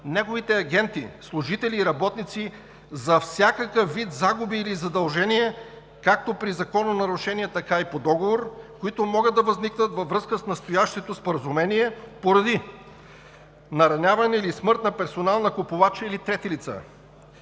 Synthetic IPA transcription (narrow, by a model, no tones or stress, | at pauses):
nɛɡovit̪ɛɐɡʲɛnt̪ḭslˠuʒit̪ɛliːɾɐbɔt̪nit̪si | zɐfsʲjakəkəfvːit̪zaɡʊbiːlizɐd̪ɐlˠʒɛniɛ | kak̚t̪opɾizɐkɔnonɐɾuʃɛniɛt̪ɐkaipod̪ɔɡovoɾkoit̪omɔɡəd̪ːɐvɐzniknət̪vɐvɾɤskəsnɐst̪ojaʃt̪ɛt̪ospoɾɐzumɛniɛpoɾɐd̪i | nɐɾɐnʲavɐnɛilismɤɾt̪nɐpɛɾsonalˠnɐkʊpʊvat͡ʃəilit̪ɾɛt̪ilit̪sə̰